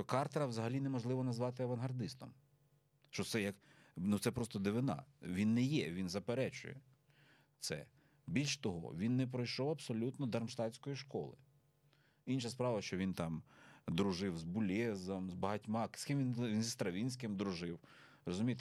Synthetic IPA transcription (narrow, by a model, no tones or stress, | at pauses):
ʃt͡ʃɔkɑrt̪ɐɾɐwzɐɦɐlʲinɛmɔʒlˠɪʋɔnɐzʋɑt̪ɪɐʋɐnɦɐrd̪ɪst̪ɔm | ʃt͡ʃɔtsɛjɐk | nusɛpɾɔst̪ɔd̪ɪʋɪnɑ̰ʋʲinːɛjɛʋʲinzɐpeɾɛt͡ʃʊ̰jɛ̰ | t̪sɛ̰ | bʲilʲʃt̪ɔɦɔ̰ʋʲinːɛp̬ɾɔjʃɔwɐbsɔlʲut̪nɔd̪ɐrmʃt̪ɑt͡sʲsʲkɔjiʃkɔ̰lˠɪ̰ | inʃɐspɾɑʋɐʃt͡ʃɔʋʲint̪ɑmd̪ɾʊʒɪwzbʊlʲɛzɐmzbɐɦɐtʲmɑskɪmʋʲinʋʲinzʲist̪ɾɐʋʲinʲsʲkɪmd̪ɾʊʒɪw | ɾɔzʊmʲijt̪ɛ